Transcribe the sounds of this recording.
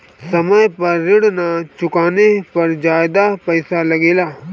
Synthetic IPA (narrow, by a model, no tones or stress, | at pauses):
səməjpəɾːɪɽnat͡ʃʊkaːnepɐɾd͡ʒaːjɪd̪apəɪsaləɡeːlaː